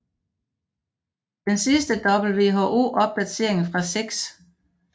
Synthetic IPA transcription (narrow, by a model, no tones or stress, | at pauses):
d̥ensisd̥əd̥ɒ̽b̥l̩ʋe̝ːɦo̝ːʔo̝̰ːʔɒ̽b̥̚d̥æt͡sʰe̝ɐeŋn̩fʁɑ̈seɡ̥s